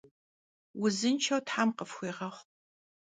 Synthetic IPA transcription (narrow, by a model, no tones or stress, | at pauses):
wʊzɨnt͡ʃʰɐwtħamqəfxʷiːʁɐχʷ